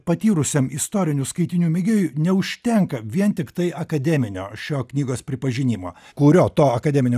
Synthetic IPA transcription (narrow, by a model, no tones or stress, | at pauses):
pɐt̪ʲiːɾʊsʲemɪst̪oːɾʲɪnʲuskɐɪt̪ʲɪnʲuːmʲɪɡʲeːjunʲɛʊʃʲt̪ʲɛŋkɐʋʲiɛnt̪ʲɪkt̪ɐɪɐkɐd̪ʲɛːmʲɪnʲo̰ːʃʲoːknʲiːɡoːspʲɾʲɪpɐʒʲɪnʲiːmo̰ːkʊɾʲoːt̪oːɐkɐd̪ʲɛːmʲɪnʲo